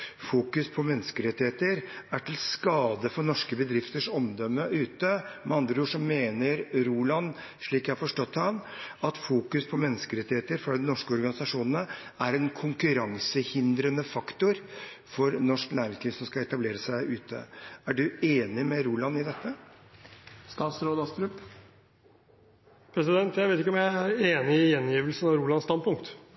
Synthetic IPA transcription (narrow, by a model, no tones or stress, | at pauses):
fuːkʉspʰɔmɛnːəskəɾɛt̪ːɪheːt̪əɾæʈʰɪlskɑːd̪əfɔɳɔʂkəbəd̪ɾɪft̪əʂɔmd̪ɔmːəʔʉːt̪əmɛɑnd̪ɾəuːʂɔmːeːnəɾɾuːlɑn | ʂɭiːkjæhɑɾfɔʂʈɔt̪ːhɑnɑt̪fuːkʉspʰɔmɛnːəskəɾɛt̪ːɪheːt̪əɾfɾɑd̪ɛnɔʂkəɔɾɡɑnɪsɑʂuːnənəæɾɛnkʰʊŋkʉɾɑŋsəhɪnd̪ɾənəfɑkt̪ʊɾ | fɔɾnɔʂknæːɾɪŋsliːsɔmskɑɛt̪ɑbleːɾəsæɪʔʉːt̪ʰə̰æɖʉeːnɪmɛɾuːlɑnɪd̪ɛt̪ːə | st̪ɑːt̪sɾoːd̪ɑst̪ɾʉp | pʰɾɛsɪd̪ɛnt̪jæɪʋeːt̪ɪkːəɔmjæɪæɾeːnɪɪjɛnjiːʋəlsənɑʋɾuːlɑnst̪ɑnd̪pʰʊŋkt̪